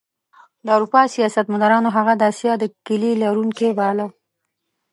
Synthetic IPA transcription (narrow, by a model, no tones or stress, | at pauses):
d̪əawɾupɑsijɑsat̪manaɾɑnoɦaɣad̪əasjɑd̪əkɪlilaɾuŋkebala